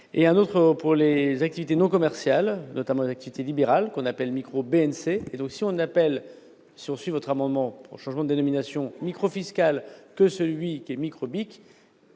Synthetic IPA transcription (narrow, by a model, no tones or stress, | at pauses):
eɛ̃not̪χəpuʁlezak̚t̪ivit̪enɔ̃kɔmɛʁsjalnɔt̪amɑ̃lezak̚t̪ivit̪elibeʁalkɔ̃napɛlmikχobeɛnseːd̪ɔ̃ksiɔ̃napɛl | siɔ̃sɥivɔt̪χamɑ̃d̪mɑ̃puʁʃɑ̃ʒmɑ̃d̪d̪enɔminasjɔ̃mikχofiskʲalkəsəlɥikʲiɛmikχɔbik